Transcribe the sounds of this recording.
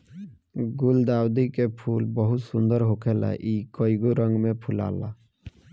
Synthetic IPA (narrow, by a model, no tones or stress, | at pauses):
ɡuld̪awd̪ikepʰulbɔɦut̪sund̪ɔɾɦokʰela̰ʔikɔjɡoɾɔŋmepʰula̰la̰